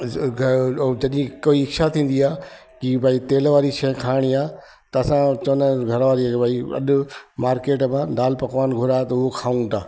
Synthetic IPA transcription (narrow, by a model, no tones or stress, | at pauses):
ɡʱd͡ʑɐɗĩkoːiɪkʃat̪ʰĩːn̆d̪iaː | kibʱaːit̪eːlʋaːɾiʃɐ̃kʰaːɪɽ̃iaː | t̪ɐɐsãt͡ʃɐnɡʱɐɾʋaːɾibʱaːiɐ̰ɗʊmaːɾkeːʈmãɗaːlpɐkʋaːnɡʱʊɾaːet̪ɐʊɦokʰaːũt̪aː